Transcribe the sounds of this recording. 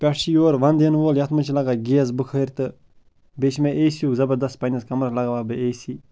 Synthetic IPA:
pʲɛʈʃijoːɾʋɐnd̪enʋoːljɐt̪ʰmɨt͡ʃʰilɐɡaːɡʲeːz̬bɨkʰəɾt̪ɨ | bet͡ʃmeʔeːsjuːkzɐbɐd̪ɐspɐnʲɐskɐmɾɐlɐɡaʋaːbɨeːsiː

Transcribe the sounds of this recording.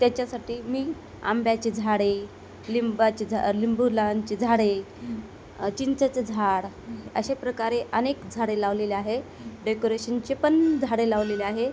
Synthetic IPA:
t̪jat͡ɕjasaʈiːmiː | a̰mbjat͡ɕed͡zʱaɽe | limbat͡ɕed͡zʱlimbulant͡ɕed͡zʱaɽe | t͡ɕint͡sat͡sed͡zʱaɽ | ə̰ɕepɾəkaɾeʔənekd͡zʱaɽelaʋleleaɦe | ɖekoɾeɕənt͡ɕepənd͡zʱaɽelaʋleleaɦe

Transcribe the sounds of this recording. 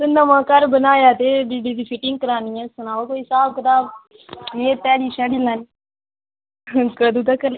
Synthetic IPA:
sʊnd̪amãːkəɾbənaːjaːt̪ebiːɖiːd̪iːpʰɪʈɪ̃ŋɡ̚kəɾaːniːɛ̃sʊnaːʋakoːisaːb̚kət̪aːb | jeːt̪ɛːɽiːʃɛːɽiːlaːn | kəd̪uːt̪akəɾ

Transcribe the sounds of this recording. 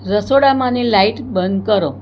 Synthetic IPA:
ɾəsoɽamanilaiʈbənd̪kəɾo

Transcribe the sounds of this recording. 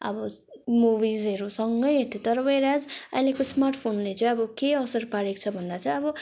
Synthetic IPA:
ʌ̰bʌ | mubizʌɾusʌŋɡʌjɦet̪ʰit̪ʌɾʌbʌjɾad͡zʌ̰ĩlekosmarʈʰpʰonlet͡sʌj̃ʌbʌkeʌsʌrpaɽekt͡sʰʌbʱʌnd̪at͡sʰʌ̃ʌbʌ

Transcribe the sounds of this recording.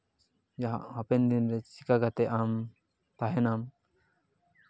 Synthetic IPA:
jaɦaʔhɔpɛnd̪inɾɛt͡ʃikaɡat̪ɛʔam | t̪aɦɛnam

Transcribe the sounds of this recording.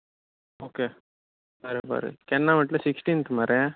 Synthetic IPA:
oːkeː | paɾɯba̰ːɾɯ̰kɛnːãːʋɐʈlɐsɪksʈinkːɯmaːɾẽ

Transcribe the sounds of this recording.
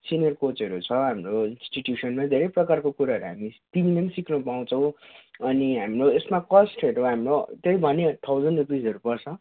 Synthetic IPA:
sinijʌrkot͡sʌɾut͡sʰʌɦamroinsʈiʈjusʌnmad̪ʱeɾʌjprʌkarkokuɾaɦʌɾuɦamit̪ibinensiknupaw̃t͡sʰʌ̃w̃ʌniɦamroesmakʌsʈɦʌɾoɦamrot̪ʌjbʱʌnet̪ʰawd͡zʌnɖrupid͡zʌɾupʌrt͡sʰʌ

